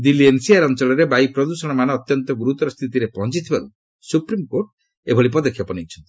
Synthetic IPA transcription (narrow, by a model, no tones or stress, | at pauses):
d̪iliensiaɾɔnt͡ʃɔɭɔɾebajpɾɔd̪usɔɽ̃ɔmanɔːt̪jɔnt̪ɔɡuɾut̪ɔɾɔst̪ʰit̪iɾepɔɦɔ̃nt͡ʃit̪ʰibaɾu | supɾimkoɾʈ | ebʱɔɭip̬ɔd̪ɔkʰjɔpɔnit͡ʃʰɔnt̪ii̥